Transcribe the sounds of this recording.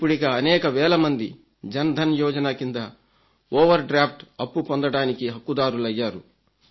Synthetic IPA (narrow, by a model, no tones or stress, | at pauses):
pːuɽiɡaːɐnɛːkɐʋɛːlɐmɐnd̪i | d͡ʒɐnɐd̪ʱɐnjɔːd͡ʒɐnaːkind̪ɐ | ɔːʋɐɾɖɾaːpʰʈɐpːupond̪ɐɽaːnikiɦɐkːud̪aːɾulɐjːaːɾu